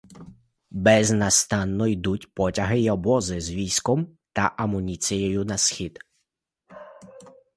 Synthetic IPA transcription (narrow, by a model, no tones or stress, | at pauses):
bɛznɐst̪ɑnːɔjd̪utʲpɔtʲɐɦɪjɔbɔzɪzʋʲiskɔmt̪ɐʔɐmʊnʲit͡s̪ʲijɔjʊnɐsxʲid̪